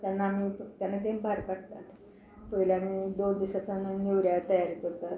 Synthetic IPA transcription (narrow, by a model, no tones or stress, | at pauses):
t̪jaɾənːaamit̪janːat̪embʱaɾkaʈ̚t̪at̪ | pəɦileamiːd̪ond̪iɕat͡sanneʋɾjat̪əjaɾikəɾt̪a